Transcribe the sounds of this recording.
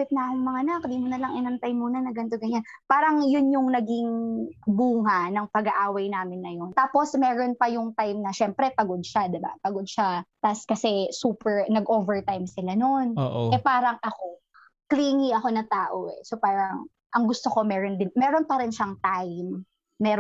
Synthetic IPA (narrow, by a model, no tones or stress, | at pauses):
pɪt̪̚nɐɐkʊŋmɐŋaʔnakd̪iːmʊnɐlɐŋʔɪnɐnt̪ajmːuːnɐnɐɡɐnt̪oɡɐɲanpaːɾɐŋjʊnjʊŋnɐɡɪŋbuːŋanɐŋpɐɡaʔaːwɐjnaːmɪnːɐjont̪aːpo̞smɛːɾonpɐjʊŋt̪ajmnɐʃɛmpɾɛpɐɡod̪̚ʃad̪ɛba̰pɐɡod̪̚ʃat̪ɐskɐsɛsuːpɛɹnɐɡʔovɛɹt̪ajmsɪlano̞nːʔʔɛpaːɾɐŋʔɐko̞ | kliːŋiʔɐko̞nɐŋt̪aːʔoʔɛ̰so̞paːɾɐŋ | ʔɐŋɡʊst̪o̞ko̞mɛːɾond̪ɪnmɛːɾo̞npɐɾɪnʃaŋt̪ajmː | ɛːɾ